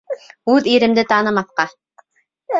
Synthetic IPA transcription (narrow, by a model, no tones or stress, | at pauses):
ʉðiɾɘ̆md̪ɘt̪ɑnɤ̆mɑθqɑ